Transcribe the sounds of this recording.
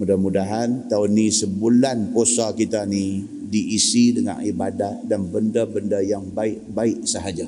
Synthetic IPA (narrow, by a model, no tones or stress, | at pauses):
mudahmudaɦant̪aʊnisəbulanposakit̪ani | diʔːsidəŋa̰nibadahdanbəndabəndajaŋbaɪʔbaɪʔsəɦad͡ʒa